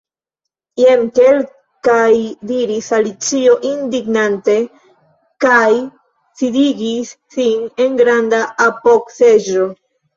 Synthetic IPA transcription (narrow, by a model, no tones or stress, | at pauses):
jemke̞l | kajdiɾisalit͡sio̞ʔindiɡnante̞ | kaj | sidiɡisːine̞nɡɾandaʔapo̞kse̞d͡ʒo